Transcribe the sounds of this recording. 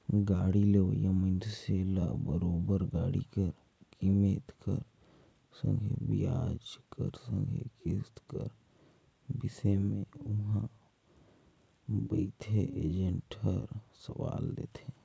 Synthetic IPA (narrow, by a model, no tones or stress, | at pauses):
ɡaːɽileojəməndselabəɾoːbəɾɡaːɽḭkəɾ | kimeːt̪kəɾ | sə̰̃ŋɡʱebijaːd͡ʒkəɾsə̃ŋɡʱekɪst̪kə̰ɾ | bɪsemẽʊɦã | bəːt̪ʰeeːd͡ʒə̃ɳʈɦəɾsəʋa̰ːld̪eːt̪ʰe